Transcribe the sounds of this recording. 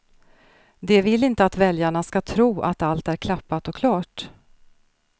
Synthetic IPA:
d̪ɛvɪlɪnt̪əat̪vɛljaɳaskat̪ʰɾuːʔa̰t̪alt̪æɾkʰlapːat̪ɔkʰlɑːʈ

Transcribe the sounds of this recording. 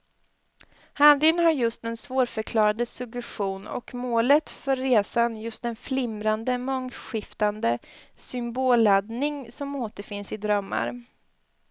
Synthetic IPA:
had̪ɪnhaɾjɵst̪ɛnsvoːɾfœɾkʰlɑːɾad̪əsɵɡɛɧuːnɔ̰kmoːlət̪fœɾːeːsanjɵst̪ɛnflɪmɾand̪əmɔŋɧɪft̪and̪əsʏmboːlad̪nɪŋsɔmoːt̪əɾfɪnsɪd̪ɾœmːa̰ɾ

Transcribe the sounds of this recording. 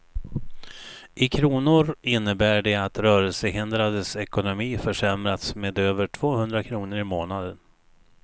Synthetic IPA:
ʔɪkʰɾuːnʊɾɪnːəbæːɖɛat̪ɾœːɾəlsəɦɪnd̪ɾad̪əsɛkʊnʊmiːfœʂɛmɾat̪smeːd̪øːvəʈʰv̥oːhɵnd̪ɾakʰɾuːnəɾɪmoːnad̪ən

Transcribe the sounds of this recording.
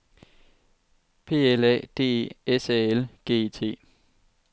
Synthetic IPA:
pʰe̝̰ːelɛ̰d̥e̝̰ːe̝̰esɛelɡ̥e̝̰ːet͡sʰe̝̰ː

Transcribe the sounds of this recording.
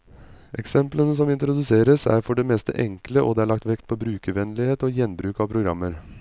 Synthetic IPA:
ʔɛksɛmplənəs̬ɔmɪnt̪ɾʊd̪ʉseːɾəsæ̰ːɾfɔɖeːmeːst̪ə̰ʔɛŋkləʔo̰ːd̪eːæːɭɑk̚t̪ʋɛkt̪̚pʰoːbɾʉːkəʋɛnlɪheːt̪oːjɛnbɾʉːkɑʋpʰɾʊɡɾɑ̰mːəɾ

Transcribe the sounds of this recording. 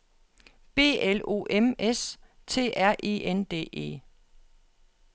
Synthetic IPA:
b̥e̝̰ːelo̝̰ːʔemes | t͡sʰe̝̰ːʔæɐ̰ʔe̝̰ːʔend̥e̝̰ːʔe̝̰ː

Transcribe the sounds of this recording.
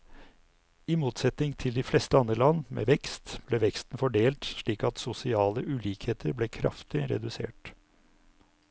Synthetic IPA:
ɪmuːt̪sɛt̪nɪŋt̪ʰɪld̪ɪflɛst̪əɑnd̪ɾəlɑnːmḛːʋɛkst̪b̥leːʋɛkst̪n̩fɔɖeːlt̪ʂɭiːkɑt̪sʊsɪɑːləʔʉliːkheːt̪ʰəɾbleːkʰɾɑ̰ft̪ɪɾɛ̰d̪ʉsḛːʈ

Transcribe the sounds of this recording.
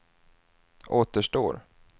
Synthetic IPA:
ʔoːt̪əʂʈo̰ːɾ

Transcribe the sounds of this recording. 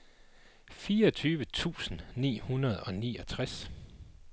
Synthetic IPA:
fiːɐɒt͡sʰyːʋət͡sʰṵːsn̩nḭːhunɐð̞ˠɒ̽niːɒ̽t͡sʰʁas

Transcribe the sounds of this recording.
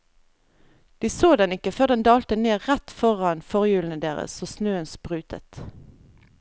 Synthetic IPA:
d̪̥iːsoːd̪ɛnɪkəføːʁd̪ɛnd̪ɑːlt̪əneːʁʁæt̪fɔʁɑnfɔʁjʉːln̩əd̪eːʁə̰soːsnøːənspʁʉːt̪ʰə̰t̪

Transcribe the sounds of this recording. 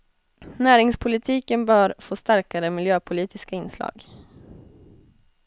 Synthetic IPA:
næːɾɪŋspʰʊlɪt̪ʰiːkənbœːɾfoːst̪aɾkaɾəmɪljøːpʰʊliːt̪ɪskaɪnːslɑ̰ːɡ

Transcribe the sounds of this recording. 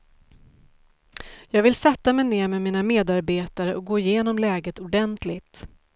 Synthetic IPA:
jɑːɡvɪlsɛt̪ːamɛjneːɾmɛmiːnameːd̪aɾbeːt̪aɾəʔɔk̚ɡoːɪjeːnɔmlɛːɡət̪ʊɖɛnt̪lɪt̪

